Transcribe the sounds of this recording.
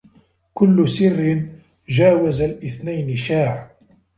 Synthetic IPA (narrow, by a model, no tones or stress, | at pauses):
kʊlːʊsɪrːɪn | d͡ʒaːwazalʔɪθnajnɪʃaːʕ